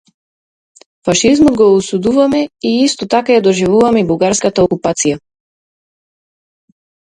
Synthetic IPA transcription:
faʃizmɔd̪ɡɔusud̪uvamɛiist̪ɔt̪akajad̪ɔʒivuvamɛibuɡaɾskat̪aɔkupat̪sija

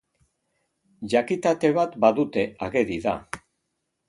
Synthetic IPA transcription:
ʝakit̪at̪e̞βat̪baðut̪e̞aɣeðiða̰

